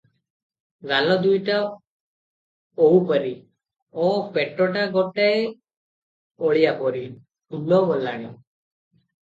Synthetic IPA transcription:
ɡalɔd̪ujʈa | owpɔɾi | ɔpeʈɔʈaɡɔʈae | ɔɭijapɔɾi | ulɔbɔlaɽ̃i

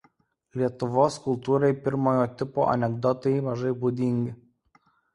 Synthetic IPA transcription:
lʲiɛt̪ʊʋoːskʊlˠt̪uːɾɐɪpʲɪɾmoːjoːt̪ʲɪpo̰ːʔɐ̰nʲɛɡd̪ɔt̪ɐɪmɐʒɐɪbuːd̪ʲɪŋʲɡʲɪ

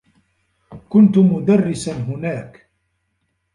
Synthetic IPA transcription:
kʊnt̪ʊmʊd̪arːɪsanɦʊnaːk

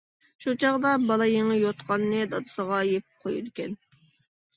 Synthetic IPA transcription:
ʃut͡ʃʰɑʁd̪ɑbɑlˠɑjeŋɪjot̪qɑnːɨd̪ɑt̪ɨ̥səʁɑjepp̚qʰojud̪ɪkʲɛn

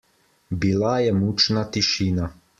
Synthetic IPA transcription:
bilajɛmut͡ʃnat̪iʃiːna

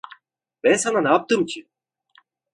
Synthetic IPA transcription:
mɛnsɑnanaːp̚t̪ɯmt͡ʃʰi

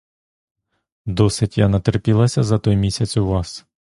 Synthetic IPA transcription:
d̪ɔsɪtʲjanɐt̪erpʲilˠɐsʲɐzɐt̪ɔjmʲisʲɐt͡sʲuʋɑs

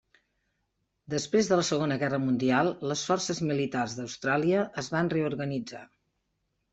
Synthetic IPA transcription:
d̪əspɾezðələsəɣ̞onəɣɛrəmund̪ialˠləsfɔrsəzmilit̪arzðəwst̪ɾaliəʔːzβanreuɾɣənid͡za̰

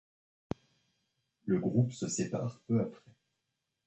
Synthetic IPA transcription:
ləɡʁupsəsepa̰ʁpøapχɛ

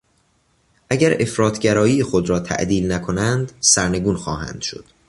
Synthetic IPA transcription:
ʔæɟæɾe̞fɾɒːt̪ʰɟæɾɒːjiːexod̪ɾɒːt̪ʰæ̰ʔd̪iːlnækʰo̞nænd̪sæɾne̞ɡuːnxɒːɦæ̰nd̪̥ʃo̞̰d̪̥

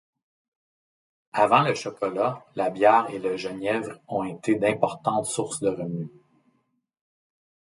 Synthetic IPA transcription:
avɑ̃ləʃɔkɔlalabjɛːʁeləʒənɛvʁɔ̃et̪ʰed̪ɛ̃pɔʁt̪ɑ̃t̪sʊʁsd̪əʁəmy

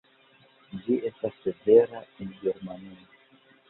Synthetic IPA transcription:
d͡ʒiestasːeveɾaenɡeɾmania

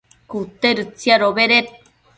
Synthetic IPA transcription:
kut̪eɾɨt͡sjaɾoβeɾet̚

